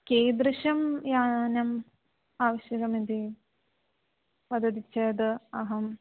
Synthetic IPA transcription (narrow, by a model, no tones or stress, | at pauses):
keːd̪ɾɨʂɐmjaːnɐm | aːʋɐɕjɐɡɐmid̪i | pɐd̪ʱɐd̪it͡ʃːeːd̪ɨɐɦɐm